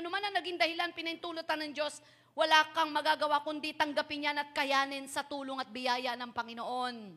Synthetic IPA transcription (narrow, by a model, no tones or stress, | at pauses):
ʔɐnomanɐŋnɐɡiŋd̪ɐhɪlanpɪnɐnt̪uːlot̪ɐnɐŋd͡ʒo̞s | wɐlaːkɐŋmɐɡaːɡɐwakʊnd̪it̪ɐŋɡɐpɪnjanɐt̪̚kɐjaːnɪnsɐt̪uːloŋɐt̪̚bɪjaːjɐnɐŋpɐŋɪnoʔo̞n